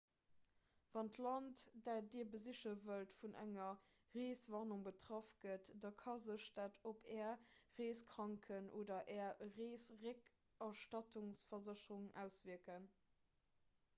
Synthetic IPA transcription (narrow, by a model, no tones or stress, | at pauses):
vɑntlɑntd̥aːdiːɐbəzəɕəvəltfunʔæ̰ŋɐʁeːsvɑʁnuŋbətʁɑfɡətdɑkʰɑzəɕd̥aːtʰopʰɛːɐʁeːskʁɑŋkʰənʔoːdɐʔɛːɐʁeːsʁek | ɐʃtɑtuŋsfɐzəɕəʁuŋæ̰ʊsviəkən